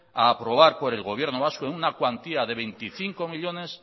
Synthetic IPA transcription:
aːpɾo̞β̞aɾpo̞ɾe̞lɣo̞β̞je̞ɾnoβ̞askoenunakwant̪iaðe̞βe̞nt̪iθiŋko̞miʎo̞ne̞s

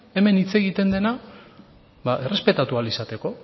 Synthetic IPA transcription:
e̞me̞nit͡se̞ɣit̪e̞nd̪e̞na | baʔe̞re̞spe̞t̪at̪ualisat̪e̞ko̞

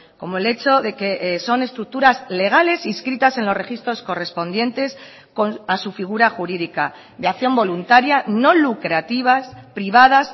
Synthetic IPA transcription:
ko̞moe̞le̞t͡ʃo̞ðe̞ke̞ʔso̞ne̞st̪ɾuk̚t̪uɾazle̞ɣ̞ale̞siskɾit̪ase̞nlore̞xist̪ɾo̞sko̞re̞spo̞nd̪je̞nt̪e̞s | konasufiɣ̞uɾaxuɾiðika | ðeaθjo̞mbo̞lunt̪aɾjano̞lukɾat̪iβ̞aspɾiβ̞að̞as

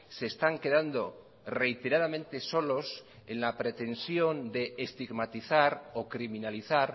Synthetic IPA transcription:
se̞ːst̪aŋke̞ðand̪o̞ | re̞jt̪e̞ɾaðamẽ̞nt̪e̞so̞lo̞s | e̞nlapɾe̞t̪e̞nsjo̞nd̪e̞ːst̪iɣmat̪iθaɾo̞kɾimĩnaliθaɾ

